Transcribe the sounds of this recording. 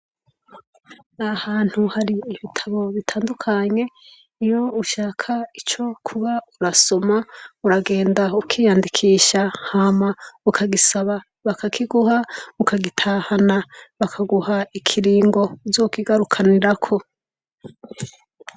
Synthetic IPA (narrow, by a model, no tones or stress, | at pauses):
nahaːn̥huhaɾiːβitʰaβo̞βitʰaːndukʰaɲe̞ | ijo̞uʃaːkʰait͡ʃo̞kʰuβauɾaso̞mauɾaɡe̞ːndaukʰiːjaːndikʰiːʃahamaukʰaɡisaβa | βakʰakiɡuhaukaɡitʰahanaβakʰaɡuhaikʰiɾiːŋɡo̞d͡ʒoːkiɡaɾukʰaniɾakʰo̞